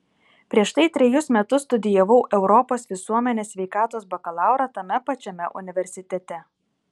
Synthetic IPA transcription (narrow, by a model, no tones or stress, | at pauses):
pʲɾʲiɛʃt̪ɐɪt̪ʲɾʲɛjʊsmʲɛt̪ʊsːt̪ʊd̪ʲɪjɛʋɐʊʔɛʊɾɔpoːsʋʲɪsuɔmʲɛnʲeːsʲʋʲɛɪkɑːt̪oːsbɐkɐlˠɑˑʊɾɑt̪ɐmʲɛpɐt͡ʃʲɛmʲɛʔʊnʲɪʋʲɛɾʲsʲɪt̪ʲɛt̪ʲɛ